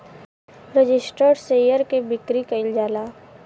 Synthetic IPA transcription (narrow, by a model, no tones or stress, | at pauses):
ɾəd͡ʒɪsʈəɖseːjəɾkebɪkɾikəɪld͡ʒaːlaː